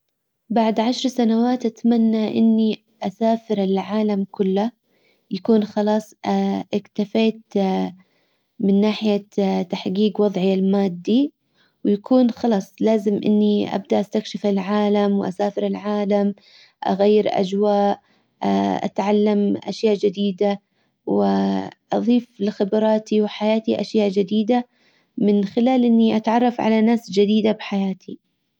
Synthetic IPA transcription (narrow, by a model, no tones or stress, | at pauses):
baʕd̪ʕaʃɾˤsanawaːt̪ʔat̪manːaʔɪ̰nːi | ʔasaːfɪɾɪlʕaːlamkʊlːa | jakuːnxɑlɑːsˤʔɪkt̪afeːt̪ | mɪnːaːħɪjat̪aħɡiːɡwɑðˤʕɪalmaːd̪ːi | wjakʰuːnxɑlɑːsˤlaːzɪmʔɪ̰nːiʔa̰b̚d̪aʔast̪akʃɪfɪlʕaːlamwʔa̰saːfɪɾɪlʕaːlam | ʔa̰ɣajːɪɾʔa̰d͡ʒwaːʔ | ʔa̰t̪ʕalːamʔa̰ʃjaːʔd͡ʒɪd̪iːd̪a | wɪʔɑðˤiːflɪxɪbɾɑːt̪iwɪħajaːt̪iʔaʃjaːʔd͡ʒɪd̪iːd̪a | mɪnxɪlaːlʔɪnːiʔat̪ʕɑrˤːɑfʕa̰lanaːsd͡ʒɪd̪iːd̪abɪħajaːt̪ʰi